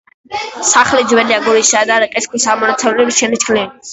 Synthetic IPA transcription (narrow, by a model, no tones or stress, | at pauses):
saχlid͡ʒwɛliaɡuɾisaːd̪aɾaqʼɛskʰɔsamɔnat̪sʰɛvlɛbiʃɛnit͡ʃkʰlin